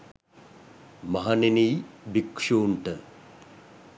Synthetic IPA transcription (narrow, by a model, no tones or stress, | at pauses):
mɐɦaneniːbikʂuːɳʈə